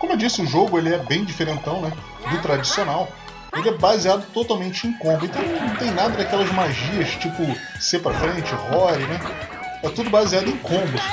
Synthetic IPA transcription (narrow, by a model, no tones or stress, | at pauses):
kõmʊewd͡ʒisɪʊʒoɡʊelɪɛbẽj̃d͡ʒifeɾẽnt̪ɐ̃w̃nɛ | d̪ʊt̪ɾad͡ʒisionaw | elɪɛbaziad̪ʊt̪ot̪awmẽnt͡ʃɪẽj̃kõmbʊẽnt̪ɐ̃w̃nɐ̃w̃t̪ẽj̃nad̪ɐd̪ɐkɛlɐzmaʒiɐʃt͡ʃipʊsepɾɐfɾẽnt͡ʃɪʁɔɾɪnɛ | ɛt̪ud̪ʊbaziad̪ʊẽj̃kʰõmbʊs